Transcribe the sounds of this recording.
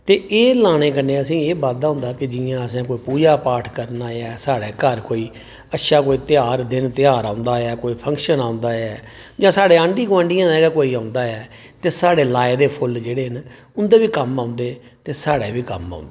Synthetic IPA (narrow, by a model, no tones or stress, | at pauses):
t̪eːeːlaːɽ̃ẽːkənːeːəsĩːeːbaːd̪aːɦʊ̃nd̪aːkɪd͡ʒɪjãːəsẽːkoːiːpuːd͡ʒaːpaːʈʰkəɾnaːɛːsaːɽɛːkəɾkoːiː | ətʃaːkoːiːt̪ɪaːɾd̪ɪnt̪ɪaːɾãːʊnd̪aːɛːkoːiːpʰə̃ŋkʃənãːʊ̃nd̪aːɛːd͡ʒãːsaːɽeːãːɳɖiːɡãːɳɖɪjãːd̪ɛɡaːkoːiːãːʊ̃nd̪aːɛː | t̪eːsaːɽeːlaːed̪eːpʰʊld͡ʒeːɽeːən | ʊnd̪eːbiːkəmãːʊnd̪eːt̪eːsaːɽeːbiːkəma̰ːʊ̃nd̪ː